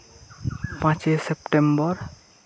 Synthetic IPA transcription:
pãt͡ʃesepʈembɔɾ

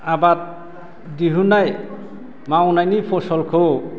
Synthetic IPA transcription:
abat̪̚ | diɦunaj | mawnajnipʰɔsɔlkʰo

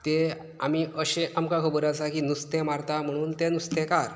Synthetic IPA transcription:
t̪e | amiːəɕẽʔamkakʰəbəɾasakinust̪emaɾt̪am̤əɽ̃uːnt̪enust̪ekaɾ

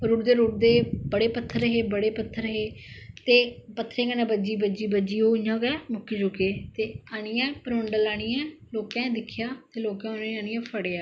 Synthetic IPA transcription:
ɾuːʈd̪eːɾuːʈ̚d̪eːbəɽeːpət̪ʰːəɾːəɦeːbəɽeːpət̪ʰːəɾəɦeːt̪eːpət̪ʰːɾẽːkəːnãːbəd͡ʒiːbəd͡ʒiːbəd͡ʒiːoːɪjãːkɛːmʊkːid͡ʒʊkeːt̪eːaːɽ̃ɪːɛ̃ːpəɾʊɳɖəlaːɽ̃ɪːɛ̃ːloːkɛ̃ːd̪ɪkʰjaːt̪eːloːkɛ̃ːʊnãːneaːɽ̃ɪːɛ̃ːpʰəɽeːaː

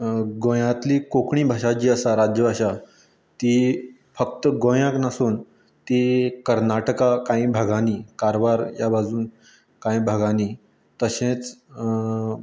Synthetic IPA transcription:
ɡõjãt̪liːkokɳiːbʱaɕad͡ʑiːəsaɾad͡ʑjəbʱaɕa | t̪i | fək̚t̪əɡõjãknasuːn | t̪ikəɾnaʈəkakãĩbʱəɡʱaniːkaɾʋaɾjabʱad͡zuːn | kãĩbʱəɡani | t̪əɕẽt͡s

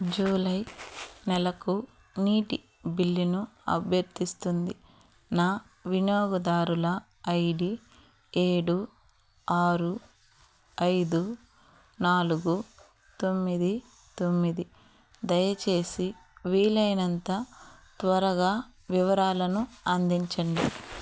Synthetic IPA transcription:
d͡ʒuːlɐjnɛlɐku | niːʈi | bilːinuɐ̰bʱjɐɾt̪ist̪und̪i | naː | ʋinjoːɡɐd̪aːɾulɐː | jɖi | eːɽu | aːɾu | ɐjd̪u | naːluɡu | t̪o̞mːid̪i | t̪omːid̪i | d̪ɐjɐt͡ʃe̞ːsiʋiːlɐjnɐnt̪ɐt̪ʋɐɾɐɡaːʋiʋɐɾaːlɐnuɐnd̪iɲt͡ʃɐɳli

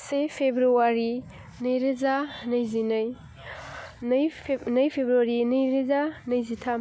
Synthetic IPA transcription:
sepʰebɾuwaɾi | nɐjɾezanɐjzinɐj | njnɐjpʰebɾuaɾinɐjɾezanɐjzitʰam

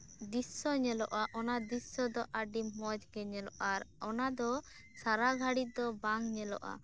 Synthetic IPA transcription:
d̪isɔɲɛlɔʔaʔɔnad̪isːɔd̪ɔʔaɖimɔd͡ʒɡɛɲɛlɔʔaɾɔnad̪ɔ | saɾaɡʱaɽit̪̚d̪ɔbaŋɲɛlɔ̰ʔa̰

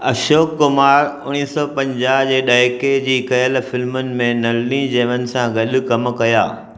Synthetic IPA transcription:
ɐʃoːkːʊmaːɾʊñiːsɔpɐ̃ɲd͡ʑaːɦd͡ʑeːɗaːked͡ʑiːkɐjəlfɪlmənɪ̆mẽnɐlnĩd͡ʑeːʋənɪ̆sãɡɐɗʊ̆kɐmkɐjaː

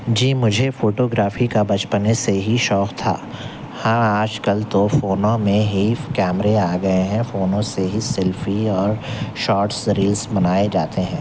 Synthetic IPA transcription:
d͡ʒiːmʊd͡ʒʱefoːʈoɡɾaːfikabɐt͡ʃpəneseɦiʃɔːqt̪ʰa̰ː | hɐ̃maːd͡ʒkɐlt̪ofoːnõmẽɦikɛːmɾeaːɡɐeɦɛ̃foːnõseɦisɛlfiɔːɾʃɔːɾʈsɾiːlsbɐnaːed͡ʒaːt̪eɦɛ̃ː

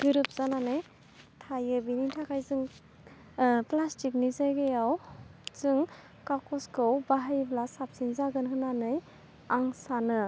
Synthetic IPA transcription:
ɡɯɾɯp̚z̥ananɯj | tʰajɯbinintʰakʰajzɯŋ | plastik̚nizajɡejawz̥ɯŋ | kakɔskɯwbaɦajblasap̚sinzaɡɯnhɯnanɯj | aŋsanɯ

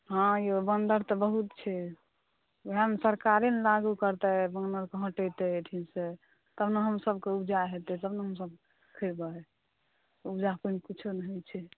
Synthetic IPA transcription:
ɦãjebənd̪əɾt̪ɔbəɦut̪t͡ʃʰɛ | bɦamsəɾkaɾenlaɡukəɾt̪ɛbənd̪əɾkeɦə̃ʈet̪ɛʈʰinse | t̪əbnəɦəmsəbkeubd͡ʒaɦet̪ɛt̪əbnəɦəmsəb̚ | kʰəɾbəɛ | ubd͡ʒapənkit͡ʃʰunɦojt͡ʃʰɛ

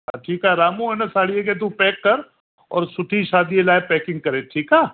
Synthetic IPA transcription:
ɦaʈʰiːkaɦeɾaːmũenɐsaːɽiek̬et̪̬upɛːkːɐɾ | ɔːɾsʊʈʰiʃaːd̪ielaːepɛːkɪ̃ŋɡ̚kɐɾeːʈʰiːkaː

